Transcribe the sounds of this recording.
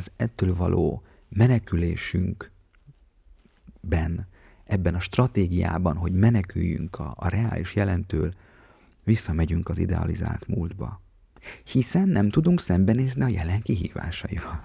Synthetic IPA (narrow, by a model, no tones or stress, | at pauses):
ɒzɛt̪ːøːlvɒlʔoː | mɛnɛkyleːʃyŋk | bɛn | ʔɛbːɛnɒʃt̪rɒt̪eːɡija̰ːbɒnɦo̞ɟmɛnɛkyjːy̰ŋkʰːrɛaːlʔiʃjɛlɛnt̪øːl | visːɒmɛɟyŋkɒzḭd̪ɛ̰ɒ̰liza̰ːlt̪muːld̪bɒ̰ | hisɛnːɛmt̪ud̪uŋksɛmbɛneːzniɒjɛlɛŋkiɦḭːva̰ːʃɒjivɒl